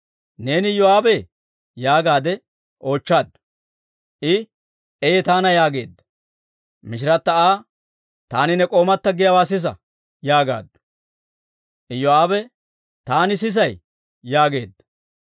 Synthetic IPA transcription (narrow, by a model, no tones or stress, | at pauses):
ne̞ːnɪjɔaːbɛ | jaːɡaːd̪ɛ | ʔo̞ːt͡ʃːaːd̪ | ʔɪ | ɛjɛt̪aːnɐjaːɡe̞ːd̪ːɐ | mɪʃ̬ɪɾɐt̪ːɐaː | t̪aːnɪnɛkʼo̞ːmɐt̪ːɐɡɪjɐwaːsɪs̬ɐ̰ | jaːɡa̰ːd̪ | ʔɪjɔaːbɛ | t̪aːnɪs̬ɪs̬ɐjː | aːɡe̞ːd̪ːɐ̥